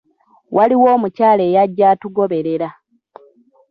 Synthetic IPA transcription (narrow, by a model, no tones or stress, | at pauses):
wʔaliwo̞ːmucaːle̞ːjaɟːaːtuɡo̞βe̞ɾe̞ɾa